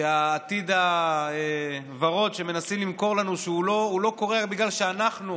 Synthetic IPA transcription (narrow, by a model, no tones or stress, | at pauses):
eaːt̪id̪ae | vaʁo̞tʃe̞menasimlimko̞ʁlanuʃeuloulo̞ko̞ʁeabiɡlalʃeanaχnu